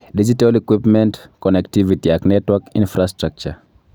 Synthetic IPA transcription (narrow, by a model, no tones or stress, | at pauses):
did͡ʒitalikwipmɛntkɔnɛktivitiaknɛtwakḭnfɾastɾak̚t͡ʃa̰